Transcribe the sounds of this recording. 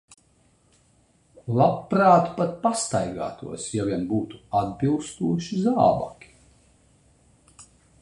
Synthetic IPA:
lˠapːɾaːt̪pat̪̚past̪ajɡa̰ːt̪ṵɔsjavʲiɛnbuːt̪u̥ad̪̚bilˠst̪uɔʃizaːba̰kʲi̥

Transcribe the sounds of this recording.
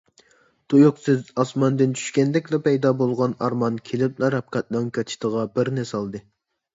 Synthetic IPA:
t̪ʰojoqsɪzɑsmɑnd̪ɨnt͡ʃʰy̥ʃkʲɛnd̪ɛkʲlɛpɛjd̪ɑbolˠʁɑnɑɾmɑnkʲʰelɪp̚nɛɾɑp̚kʰɑt̪̚nɨŋkʰʲɑt̪ʰi̥ʃt̪ʰəʁɑbɪɾnɪsɑlˠd̪ɨ

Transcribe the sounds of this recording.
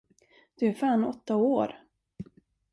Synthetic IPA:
d̪̥ɵæɾfaːnɔt̪ːaoːɾ

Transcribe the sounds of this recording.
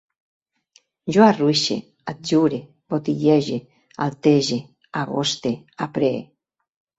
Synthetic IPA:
ʒoaruiʃḛ | ad͡ʒuɾe | bot̪iʎeʒe | alt̪eʒe | aɣo̰st̪e | apɾḛ

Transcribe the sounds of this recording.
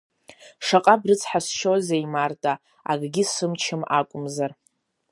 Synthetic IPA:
ʂaqʼabrɨt͡sʰʼħasʃozejmartʼa | a̰ɡɡʲɪsɨmt͡ʃʰɪmakʷʼʊmzar

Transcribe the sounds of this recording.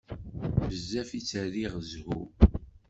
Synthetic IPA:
məzːæfit͡sːəɾiʁzhṵ

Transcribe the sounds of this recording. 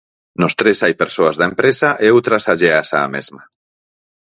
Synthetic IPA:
nost̪ɾesajpeɾsoazðaempɾesaʔeowt̪ɾasaʎeasa̰ːmḛzma

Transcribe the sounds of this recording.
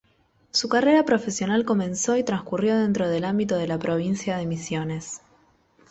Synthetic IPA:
sukare̞ɾapɾo̞fe̞sjo̞nalko̞mẽ̞nso̞it̪ɾãŋskurjo̞ðe̞nt̪ɾo̞ð̞elambit̪o̞ð̞e̞lapɾo̞β̞insjaðemisjo̞ne̞s

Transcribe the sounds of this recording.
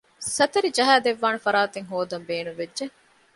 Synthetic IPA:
sɐt̪ɐɾid͡ʒɐɦæːd̪eʋːaːnɐfɐɾaːt̪eŋɦoːd̪ɐmbeːnuʋed͡ʒʒeŋ

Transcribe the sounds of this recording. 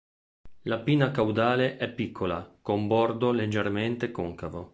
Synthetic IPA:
lapiːnakawd̪aːleʔɛpːikːola̰kombɔrd̪oled͡ʒːerment̪ekoŋkavo

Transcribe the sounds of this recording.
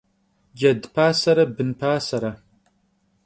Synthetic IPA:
d͡ʒɐdpʰaːsɐɾɐbɨnpʰaːsɐɾɐ

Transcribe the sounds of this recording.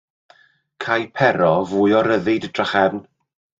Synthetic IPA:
kʰajpʰɛɾɔvʊːjɔɾəðɪdəd̥raχɛvn

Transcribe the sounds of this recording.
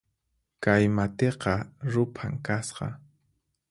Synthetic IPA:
kajmat̪eqɑɾʊpʰaŋkasqɑ̰

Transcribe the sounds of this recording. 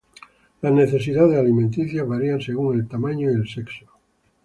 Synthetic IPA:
lazneθe̞s̬iðaðealimẽnt̪iθjaβaɾianseɣ̞uŋelt̪amãɲoielsekso̥

